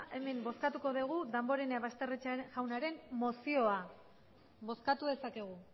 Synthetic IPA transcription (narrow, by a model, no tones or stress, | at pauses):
ʔe̞me̞mbo̞skat̪uko̞ðeɣ̞uðambo̞ɾenaβast̪e̞ret͡saʝawnaɾe̞mmo̞sio̞a | βo̞skat̪uðe̞sake̞ɣ̞u